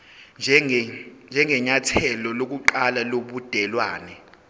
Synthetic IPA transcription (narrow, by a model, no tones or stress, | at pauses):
nd͡ʒʱɛnd͡ʒʱɛŋɛɲatʰɛlɔlok̬uǃalaloɓud̥ʱɛlwaːnɛ